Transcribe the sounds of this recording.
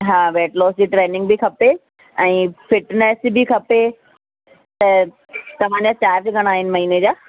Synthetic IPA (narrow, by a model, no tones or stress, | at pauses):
ɦãːʋɛːʈlɔːsd͡ʑiːʈɾeːnɪ̃ŋɡbʱikʰɐpe | ɛ̃ːfɪʈneːsbikʰɐpe | t̪ɐ | t̪ɐʋ̤ãːɲd͡ʑaːt͡ɕaːɾd͡ʑɡɐɽ̃aːɦɪnɪ̆mɐɦiːned͡ʑaː